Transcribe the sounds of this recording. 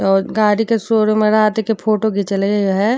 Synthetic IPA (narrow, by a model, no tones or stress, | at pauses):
ɔːɾɡaːɾikesoːɾomẽɾɐɦat̪ekepʰoːʈoɡit͡ʃəleɡejoɦɛ